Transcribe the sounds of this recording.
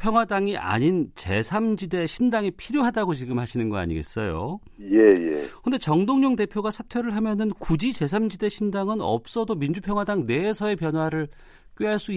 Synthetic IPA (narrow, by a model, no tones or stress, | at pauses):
pʰjʌŋɦwadaŋiʔa̰ɲint͡ɕe̞̰sʰamd͡ʑide̞ɕʰindaŋipʰiɾjoɦadaɡot͡ɕiɡɯmhaɕʰinɯnɡʌa̰ɲḭɡe̞̰s͈ʌjo̰ | je̞jḛkɯnde̞t͡ɕʌŋdoŋɲoŋde̞pʰjoɡasʰatʰwjoɾɯɭɦamjʌnɯnkud͡ʑit͡ɕe̞sʰamd͡ʑide̞ɕʰindaŋɯnʌ̰p̚s͈ʌdomind͡ʑupʰjʌŋwadaŋne̞ːsʰʌe̞pjʌnɦwaɾɯɭ | k͈ɥeɦaɭs͈ui